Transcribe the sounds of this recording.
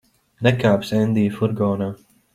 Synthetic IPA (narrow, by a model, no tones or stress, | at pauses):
nɛkaːpsɛnd̪iːfuɾɡɔːnaː